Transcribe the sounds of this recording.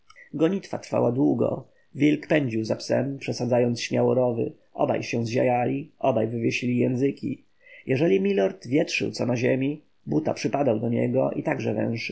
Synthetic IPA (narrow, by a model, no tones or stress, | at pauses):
ɡɔɲit̪fat̪ɾfa̰wad̪wuɡɔ̰ | vʲilkpɛɲd͡ʑiwzapsɛ̰mpʂɛsad̪zajɔnt̪sɕmʲjawɔɾɔvɘ̰ | ʔɔba̰jɕɛ̃zʑa̰jalʲiʔɔbajvɘvʲjeɕilʲijɛ̃ñzɘkʲḭ | jɛʐɛlʲimʲilɔɾt̪vʲjɛtʂɘ̰wt̪sɔnaʑemʲi | but̪a̰pʂɘpad̪awd̪ɔɲɛ̰ɡɔ̰ʔḭt̪aɡʐɛvɛ̰̃w̃ʂɘ